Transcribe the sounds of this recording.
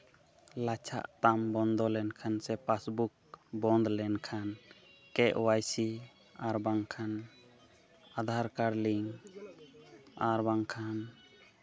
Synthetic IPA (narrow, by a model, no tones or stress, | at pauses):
lat͡ʃʰa̰ʔt̪ambɔnd̪ɔlɛnkʰansɛpasbuk̚bɔnd̪lɛnkʰan | kɛʔwajsi | aɾbaŋkʰan | ad̪ʱaɾkaɾliŋ | aɾbaŋkʰan